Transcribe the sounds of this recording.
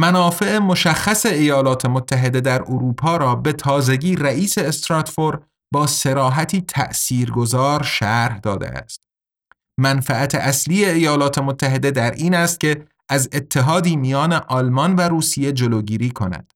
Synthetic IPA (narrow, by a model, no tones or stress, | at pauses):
mænɒːfe̞emo̞ʃæxːæse̞ejɒːlɒːt̪ʰe̞mot̪ʰːæɦe̞d̪e̞d̪æɾʔoɾuːpʰɒːɾɒːbe̞t̪ʰɒːze̞ɟiːræʔiːse̞ːst̪ɾɒːt̪foɾ | bɒːse̞ɾɒːɦæt̪ʰiːt̪ʰæ̰ʔsiːɾɡo̞zɒːɾʃæɾhd̪ɒːd̪ḛʔæ̰st̪̚ | mænfææt̪ʰeʔæsliːe̞ːjɒːlɒːt̪ʰe̞mot̪ʰːæɦe̞d̪e̞d̪æɾʔiːnæst̪̚cʲe̞ | ʔæzet̪ʰːe̞ɦɒːd̪iːmijɒːne̞ʔɒlmɒnvæɾuːsije̞d͡ʒoloːɟiːɾiːkʰo̞næ̰d̪̥